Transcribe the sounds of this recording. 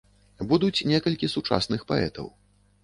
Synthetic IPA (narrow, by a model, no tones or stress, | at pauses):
bud̪ut͡sʲnʲɛkɐlʲkʲisut͡ʂa̰snɨxpa̰ɛ̰t̪ɐ̰w